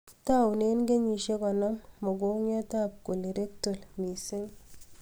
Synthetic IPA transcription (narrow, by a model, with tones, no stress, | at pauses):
ta˦˨u˨ne˦nɡe˦ɲi˨ʃe˦kɔ˨nɔ˦ŋmɔ˨ɡo˦ŋjɔ˦ta˦˨p̚ku˨li˨ɾe˦k̚to˨lmi˨se˦ŋ